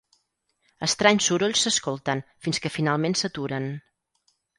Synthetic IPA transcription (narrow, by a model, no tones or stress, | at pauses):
əst̪ɾaɲsuɾoʎʲsːəskolˠt̪ənfinskəfinalˠmensət̪uɾən